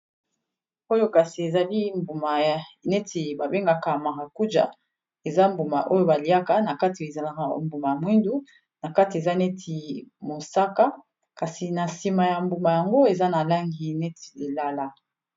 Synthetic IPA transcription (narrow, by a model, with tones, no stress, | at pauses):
o˦jo˦ka˨si˨e˨za˨li˦mbu˨ma˨jnɛ˦tʰi˨ba˨be˦ŋɡa˨ka˨ma˨ʁa˨ku˦d͡ʒa̰˨ | e˨za˦mbu˨ma˨ʔo˦jo˦ba˨li˨a˦ka˨na˨ka˦ti˨e˨za˨la˨ka˨mbu˨ma˨ja˨mwi˦ndu˦ | na˨ka˦ti˨e˨za˦nɛ˦tʰi˨mo˨sa˦ka˦ | ka˨si˨na˨si˨ma˨ja˨mbu˨ma˨ja˨ŋɡo˦e˨za˦na˨la˦ŋɡi˨nɛ˦ti̥˨e˨la˦la˦